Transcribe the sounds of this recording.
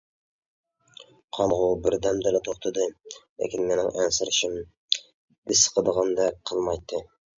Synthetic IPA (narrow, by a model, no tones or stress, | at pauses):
qʰɑmʁʊbɪɾd̪ɛmd̪ɪlɛt̪ʰoχt̪ʰɨd̪ɨlḛkʲʰinmenɪŋʔɛnsɨɾɪʃɪm | b̪ɪsə̥qʰəd̪əʁɑnd̪ɛqʰəlˠmɑjt̪ʰːɨ